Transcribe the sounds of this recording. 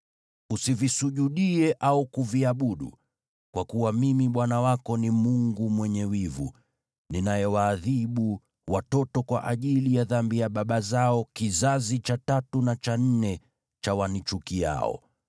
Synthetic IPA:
usivisuʄuɗiɛʔaukuviaɓuɗṵ | kwakuwamimiɓwanawakɔnimuŋɡumwɛɲɛwivṵ | ninajɛwaːðiɓu | watɔtɔkwa̰ʔaʄilijaðambijaɓaɓazaɔkizazit͡ʃatatunat͡ʃan̩nɛ | t͡ʃawanit͡ʃukija̰ɔ̰

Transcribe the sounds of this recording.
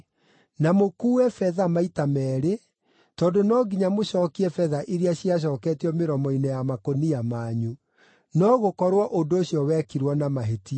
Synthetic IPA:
namokuːwɛfɛðamaitamɛːɾe | tɔːndonɔɡiɲamoɕɔːkiɛfɛðaʔiɾeaɕiaɕ̬ɔːkɛːtiɔmeɾɔmɔinɛjamakonijamaːɲu | nɔɣokɔɾwɔʔondoːɕjɔwɛkiɾwɔnamaɦeti

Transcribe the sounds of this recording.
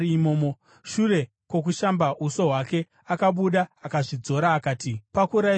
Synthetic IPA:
imoːmo | ʃuɾe̞ | kwo̞k̬uʃambausoɦwake̞ | akaɓuɗaakaʐid͡zo̞ɾaːkaːtipakuɾa

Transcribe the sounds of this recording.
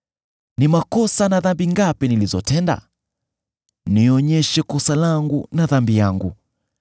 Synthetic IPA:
nimakɔsanaðambiŋɡapinilizɔtɛnda̰ | niɔɲɛʃɛkɔsalaŋɡunaðambijaŋɡṵ

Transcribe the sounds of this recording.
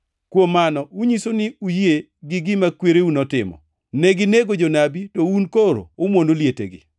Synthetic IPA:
kwomːanɔuɲisonɪuje | ɡɪɡɪmakweɾeunɔtɪmɔ̰ | nɛɡɪneɡod͡ʒonabitounkoɾo̰ʊmwondoljetḛɡɪ̰

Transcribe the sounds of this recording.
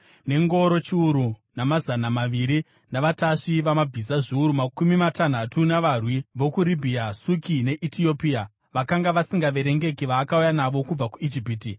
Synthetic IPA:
ne̞ŋɡo̞ɾo̞t͡ʃiuɾunamazanamaʋiɾi | naʋataʂiʋamabʱizaʐiuɾumakumimatan̤atunaʋarwiʋo̞kuɾibʱiasukine̞ʔitio̞pia | ʋakaŋɡaʋasiŋɡaʋe̞ɾe̞ŋɡe̞kiʋaːkaujanaʋo̞kub͡vakuid͡ʒipiːti

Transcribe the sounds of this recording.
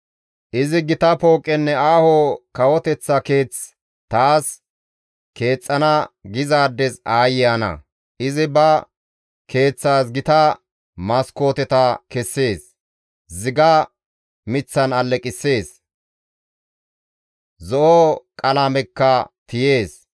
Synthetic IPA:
ʔɪzɪɡɪt̪ɐpo̞ːkʼːɛnːɛaːhoːkɐwɔt̪ɛt͡sːɐke̞ːt͡s | t̪aːs | ke̞ːt͡sʼːɐnɐɡɪzaːd̪ːɛsaːjɪjanɐ̰ | ʔɪzɪbɐ | ke̞ːt͡sːaːsɡɪt̪ɐ | mɐsko̞ːt̪ɛt̪ɐkɛsːe̞ːs | zɪɡɐ | mɪt͡sːɐnɐlːɛkʼɪsːe̞ːs | zɔʔɔkʼɐlamɛkːɐt̪ɪje̞ːs

